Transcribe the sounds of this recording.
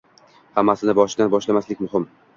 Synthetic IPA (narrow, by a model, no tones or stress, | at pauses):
hamːasɪnɪbɒʃɪd̪anbɒʃlamaslɪkʲmʊɦɪm